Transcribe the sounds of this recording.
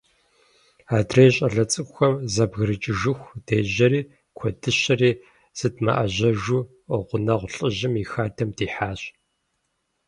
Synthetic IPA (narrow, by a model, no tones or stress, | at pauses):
aːdreːɕʼɐɮɐt͡sʼɨxʷɐmzɐbɣɨɾɨt͡ʃʼɪʒɨxʷd̥eːʑɐɾiː | kʷʰɔdɨɕɐriː | z̥ɨdma̰ʔɐ̰ʑɐʒuː | ʁʷʊnɐʁʷʊɬʼɨʑɪmixaːdʰɐmdiːħaːɕʼ